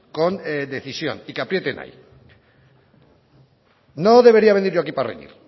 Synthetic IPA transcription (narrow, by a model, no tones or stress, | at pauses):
ko̞nd̪e̞θisjo̞̰nikapɾje̞t̪enʔa̰j | noðe̞βe̞ɾiaβe̞niɾʝoakiparḛnḭɾ